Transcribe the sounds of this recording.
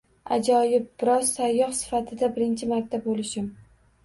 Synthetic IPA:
a̰d͡ʒɒjɪp̚b̥ɪɾɒzsajːɒχsɪ̥fat̪ʰɪd̪abɪɾɪnt͡ʃʰɪmaɾt̪ʰːab̚bolɪʃɪm

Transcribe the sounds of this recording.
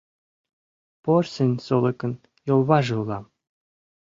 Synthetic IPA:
porsenʲsolˠɤkə̆n | jolˠβɑʒɯlːɑm

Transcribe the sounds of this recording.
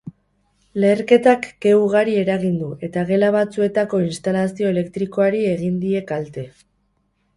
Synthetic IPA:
le̞ːɾke̞t̪akɡe̞wɣaɾie̞ɾaɣind̪uʔe̞t̪aɣe̞laβ̞at͡sue̞t̪ako̞inst̪alasio̞e̞le̞kt̪ɾiko̞aɾie̞ɣ̞ind̪ie̞kalt̪e̞

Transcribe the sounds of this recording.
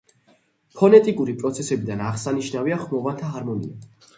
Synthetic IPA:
pʰɔnɛt̪ʼikʼuɾipʼɾɔt̪sʰɛsɛbid̪anaʁsaniʃnaviaχmɔvat̪ʰaɦaɾmɔnḭa

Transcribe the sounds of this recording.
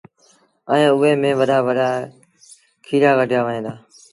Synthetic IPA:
əẽːʊeːmẽːʋəɗʱaːʋəɖaː | kʰiːɾaːkəʈjaːʋəɦẽːnd̪aː

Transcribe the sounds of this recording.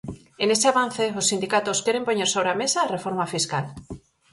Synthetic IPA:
enesɪaβan̟θeosːind̪ikat̪oskɛɾempoɲeɾsoβɾeamesaːrefoɾmafiskal

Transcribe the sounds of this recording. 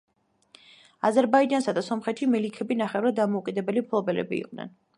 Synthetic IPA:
azɛɾbaid͡ʒansad̪asɔmχɛt̪ʃimɛlikʰɛbinaχɛvɾad̪d̪ːamɔukʼid̪ɛbɛlimpʰlˠɔbɛlɛ̰bḭːqʼnɛ̰n

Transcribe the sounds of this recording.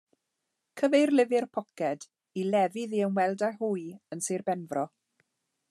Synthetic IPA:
kʰəvejrlɪvɪrpʰɔkɛd | ilɛvɪðiənwɛlˠdahuːjənserbɛnvrɔ

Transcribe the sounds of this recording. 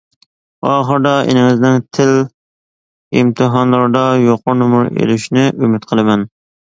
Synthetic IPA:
ɑːχəɾd̪ɑḛnɪŋɪznɪŋt̪ʰɪl | imt̪ʰɨɦɑnlˠɑɾd̪ɑjoqʊɾnmʊɾḛlyʃnɪʔymɪt̪qʰəlˠɨmɛn

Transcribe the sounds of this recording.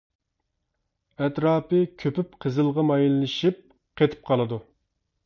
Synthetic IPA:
ɛt̪ɾɑːpɨkʲʰøpyp̚qʰəzɨlˠʁɑmɑjillɪʃip̚ | qʰet̪ʰɪ̥p̚qʰɑlˠɨd̪u

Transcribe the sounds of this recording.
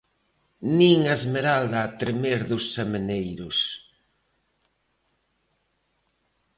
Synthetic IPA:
niŋaezmeɾald̪aːt̪ɾemeɾðʊsːemenejɾʊs

